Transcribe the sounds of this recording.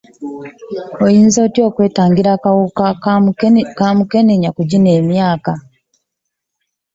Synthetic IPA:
ojiːnzo̞ːtjo̞ːkwe̞ːtaːŋɡiɾakawua | kamuke̞niɲakuɟine̞ːmjaːka

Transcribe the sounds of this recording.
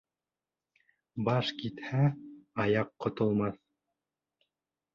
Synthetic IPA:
bɑʃkit̪hæɑjɑqːŏt̪ŏlˠmɑθ

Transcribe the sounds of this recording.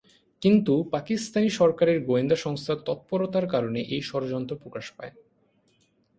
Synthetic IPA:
kint̪upakist̪aniʃɔɾkaɾeɾɡoend̪aʃɔŋst̪ʰat̪ɔt̪̚poɾot̪aɾkaɾoneʔejʃɔɾod͡ʑɔnt̪ɾopɾokaʃpae

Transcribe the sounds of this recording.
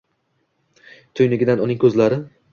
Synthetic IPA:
t̪ʰʊjnɪɡʲɪd̪anʊnɪŋkʰɵzlaɾɪ

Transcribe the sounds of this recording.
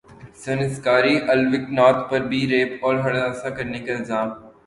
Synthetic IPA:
sɐnɪskaːɾiʔɐlʋɪknaːɾt̪ʰpɐɾbʱiɾeːpɔːɾɦɐɽd̪aːsakɐɾnekaɪlzaːm

